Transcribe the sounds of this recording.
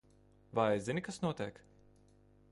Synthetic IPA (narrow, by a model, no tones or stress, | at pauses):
vajɛzinʲikasnuɔt̪iɛk